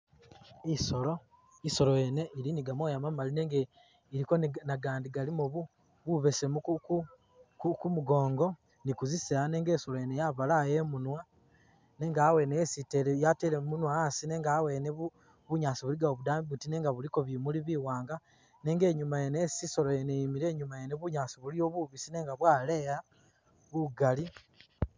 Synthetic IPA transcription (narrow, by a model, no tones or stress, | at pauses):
iso̞lo̞ | iso̞lojene̞iɾiniɡamoːjamamalineŋɡe | iɾiko̞nnaɡaːndiɡalimoβu | βuβe̞semukuku | kukumuɡo̞ːŋɡo̞ | nikuziseane̞ːŋɡe̞ːso̞lojenejaβalaje̞munwa | ne̞ːŋɡaːwe̞nejesitelejatelemunwaasine̞ːŋɡaːweneβu | βuɲaːsiβuliɡaoβudaːmbiβutine̞ːŋɡaβuliko̞βimuliβiwaːŋɡa | ne̞ːŋɡe̞ːɲumajeneesiso̞lojenejimiɾe̞ːɲumajeneβuɲaːsiβulijoβuβisine̞ːŋɡaβwaːleɾa | βuɡali